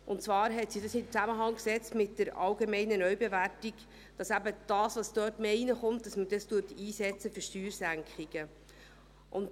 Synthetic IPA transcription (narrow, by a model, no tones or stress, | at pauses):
ʔʊnt͡svɑːɾɦɛtsidɑsɪmt͡sæməɦɑŋksɛt͡stmɪt̚d̥əɾɑwɡemɛɪnənœɥbeværtik | d̥ɑsæbəd̥ɑːsʋɑsd̥œːtmeːinəχʊmtdɑsmədɑstuːtiːsɛt͡səfyʃtyːɾsæŋkχiɡ̥ə | ʔʊnt